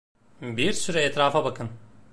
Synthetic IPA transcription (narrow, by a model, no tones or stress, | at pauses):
biɾsyɾɛɛt̪ɾaːfabakʰɯn